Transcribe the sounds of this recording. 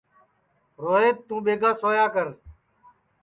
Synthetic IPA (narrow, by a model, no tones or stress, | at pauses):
ɾoːɦeːt̪ːũːɓeːɡãːsoːjaːkəɾ